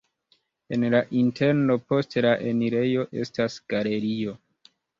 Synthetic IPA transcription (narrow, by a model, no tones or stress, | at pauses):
e̞nlaʔinte̞ɾno̞po̞stlaʔeniɾe̞jo̞ʔe̞̰stasɡ̥ale̞ɾio̞